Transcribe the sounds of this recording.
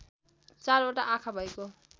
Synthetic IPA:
t͡saɾoʈaʔakʰabʱʌjko

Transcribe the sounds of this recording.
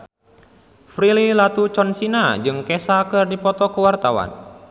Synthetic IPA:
fɾililat̪ut͡ʃɔnsinad͡ʒɨŋkɛsakɨrdipɔt̪ɔkuwart̪awa̰n

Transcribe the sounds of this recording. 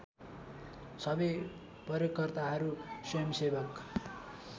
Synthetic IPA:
sʌbʌ | pʌɾjʌkʌrt̪aɦʌɾusʌjʌmsebʌk

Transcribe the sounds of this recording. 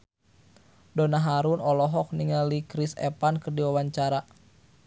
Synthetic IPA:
dɔnaɦaɾunɔlɔɦɔk̚niŋalikɾisɛ̰pankərdiwawaɲt͡ʃaɾa

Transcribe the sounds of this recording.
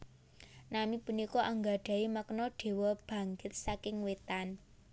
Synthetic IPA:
namipunikɔʔaŋɡaɖ̥a̤iməknɔɖ̥e̤wɔb̥ä̤ŋɡɪt̪̚sakɪŋwet̪an

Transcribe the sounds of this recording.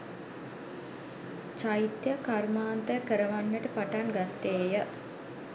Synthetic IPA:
t͡ʃait̪jəkarmaːnt̪əjkəɾəʋanːəʈəpaʈaŋɡat̪ːeːjə

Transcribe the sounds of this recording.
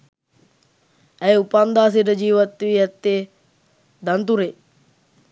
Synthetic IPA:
æjupand̪aːs̬iʈəd͡ʒiːʋat̪ːʋiɛt̪ːe | d̪ant̪uɾe

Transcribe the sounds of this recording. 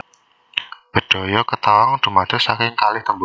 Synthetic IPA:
b̥ə̤ɖ̥o̤jɔkət̪awɔŋd̥ə̤mad̥əsakɪŋkalɪht̪əmbu

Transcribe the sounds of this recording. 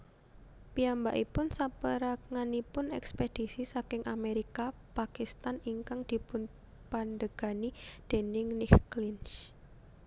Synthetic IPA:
piambaʔipʊnsapəɾakŋanipʊnɛ̰ksped̪̥i̤sisakɪŋʔa̰meɾika | pakist̪aniŋkaŋd̪̥i̤pʊn | pand̪əɡ̥a̤nid̪̥e̤nɪŋnɪkklɪnt͡ʃ

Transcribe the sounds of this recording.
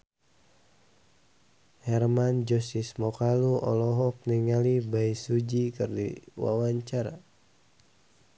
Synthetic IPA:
hɛrmand͡ʒɔsismɔkaluɔ̰lɔɦɔpniŋalibaisud͡ʒikɨrdḭwa̰waɲt͡ʃaɾa̰

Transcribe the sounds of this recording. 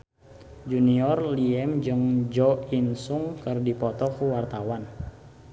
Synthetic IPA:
d͡ʒuniɔrliɛmd͡ʒɨŋd͡ʒɔinsuŋkərdipɔt̪ɔkuwart̪awan

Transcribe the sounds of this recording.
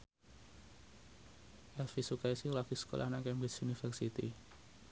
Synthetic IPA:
ʔɛlfisukaisilɔɡ̥isə̥ko̰lʔa̰hnaŋkɛmbɪsunifɛrsit̪ḭ

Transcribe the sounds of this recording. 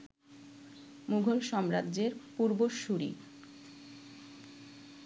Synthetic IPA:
muɡʱolʃɔmɾad̪ːd͡ʑeɾpuɾboʃuɾḭ

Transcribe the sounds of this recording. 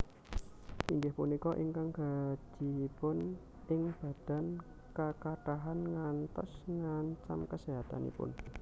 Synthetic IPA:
ʔiŋɡɪhpunikɔʔiŋkaŋɡ̥a̤d̥i̤pʊn | ɪŋb̥a̤d̥a̤n | kakaʈaɦanŋant̪ɔ̰sŋaɲt͡ʃamkəseɦat̪a̰nḭpʊ̰n

